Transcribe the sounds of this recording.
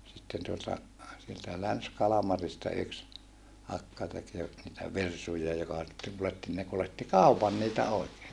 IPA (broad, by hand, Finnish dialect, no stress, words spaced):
sitːen tuotɑ sieltæ lænskɑlɑmɑristɑ yks ɑkːɑ tek jo niːtæ ʋirsujɑ jokɑ sitːeŋ kuletːi ne kuletːi kɑˑupɑn niːtæ oikeː